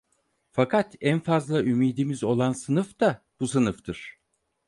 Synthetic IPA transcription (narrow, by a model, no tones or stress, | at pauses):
fakʰat̪ænfazlˠaʔymiːd̪imizo̞lˠansɯnɯfd̪a | b̥us̬ɯnɯft̪ʰɯɾ̥